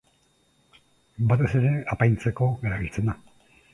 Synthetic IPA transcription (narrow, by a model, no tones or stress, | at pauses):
bat̪e̞seɾeapajnt͡seko̞eɾaβit͡sena